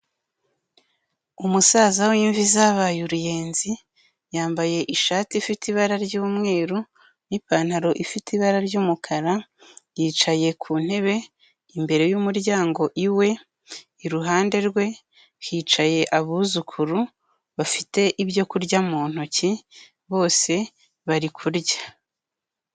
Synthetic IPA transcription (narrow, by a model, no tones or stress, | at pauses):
umusaːzawiɱvizaβajuɾuje̞ːnzi | jaːmbaje̞ʔiʃaːtifitiβaɾaɾɟuːmŋe̞ːɾu | nipaːn̥haɾo̞ʔifitiβaɾaɾɟuːmukʰaɾajiːt͡ʃaje̞kʰuːn̥he̞βe̞ | imbe̞ɾe̞juːmuɾjaːŋɡo̞ʔiwe̞ | iɾuɦaːnde̞ɾɡwe̞ | hiːt͡ʃaje̞ʔaβuzukʰuɾu | βafite̞ʔiβjo̞kuɾɟamuːn̥uci | βo̞ːse̞ | βaɾikʰuɾɟḁ